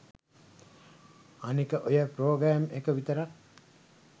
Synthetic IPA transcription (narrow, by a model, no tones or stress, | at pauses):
anikəʔojəpɾoːɡɾæːmekəʋit̪əɾak̚